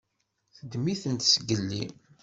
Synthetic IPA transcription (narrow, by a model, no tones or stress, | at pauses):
θəd̪miθənt̪səɡəlːḭ